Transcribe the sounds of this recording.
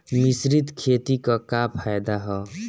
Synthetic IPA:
mɪsɾit̪kʰeːt̪ikakapʰajd̪aɦɛː

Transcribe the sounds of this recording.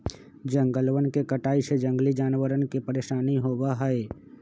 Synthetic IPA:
d͡ʒə̃ŋɡəlwənkekəʈaːised͡ʒə̃ŋɡlid͡ʒaːnwəɾənkipəɾeːʃaːniɦoːwaɦɛe

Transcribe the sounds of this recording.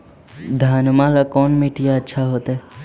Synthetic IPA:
d̪ʱaːnmãlakɔːnmiʈijaətːʃʰaɦoːt̪e

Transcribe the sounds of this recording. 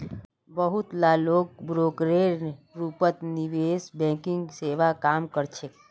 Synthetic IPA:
bəɦʊt̪laːloːɡ̚bɾoːkɾeɾɾuːpət̪niʋeːsbɛ̃ːkɪ̃ŋɡseːʋakaːmkəɾt͡ʃʰe

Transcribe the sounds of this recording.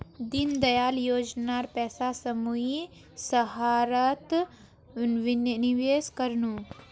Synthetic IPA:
d̪ind̪ɐjaːljoːd͡ʒnaɾpɛːsasəmui | sɐɦaːɾət̪ | ʋɪnniʋeːskəɾnu

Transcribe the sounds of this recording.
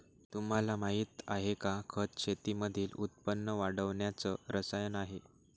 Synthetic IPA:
t̪um̤alamaɦit̪aɦekakʰət̪ɕʰet̪iməd̪ʱiːlut̪̚pənːəʋaɽəʋɳjat͡səɾəsajənaɦe

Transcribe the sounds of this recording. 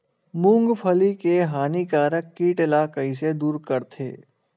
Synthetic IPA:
mʊ̃ŋɡpʰəlikeɦaːnikaːɾəkːiːʈɪlaːkəised̪uːɾkɐɾt̪ʰḛː

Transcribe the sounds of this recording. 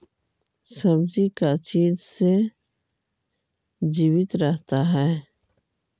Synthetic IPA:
sɐbd͡ʒikat͡ʃiːd͡ʒse | d͡ʒiːwɪt̪ɾəɦt̪aɦɛː

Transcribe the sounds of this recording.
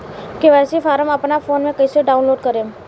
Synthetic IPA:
keʋɛːsifʰaːɾəmɐpnafʰoːnmẽkɐiseɖaːʊ̃nloːɖkɐɾẽː

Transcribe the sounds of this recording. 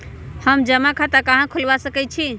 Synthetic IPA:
həmd͡ʒəmakʰat̪akaɦãkʰulbasəkɛt͡ʃʰi

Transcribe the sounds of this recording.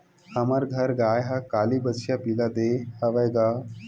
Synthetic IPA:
hɐmɐɾɡʱɐɾɡaːjɦɐkaːlibətʃjapilad̪eːhɐʋɐjɡa

